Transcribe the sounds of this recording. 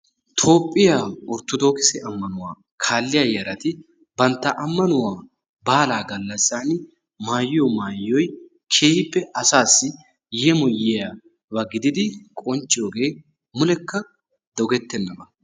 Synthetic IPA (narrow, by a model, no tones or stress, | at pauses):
t̪ʰo̞ːpʼːɪjaːʊɾt̪ʊd̪o̞ːkɪsɛʔɐmːɐnʊwaː | kʰaːlːɪjaːjɐɾɐt̪ɪ | bɐnt̪ːɐʔɐmːɐnʊwaː | baːlaːɡɐlːɐsːaːnɪ | maːjːomaːjːɔj | kʰeːhɪpːɛɐsaːsːɪ | jɛmɔjːeja | bɐɡɪd̪ɪd̪ɪkʼɔnt͡ʃʼːɪjoːɡe̞ː | mʊlɛkːɐ | d̪̥ɔɡɛt̪ːɛnːɐbɐ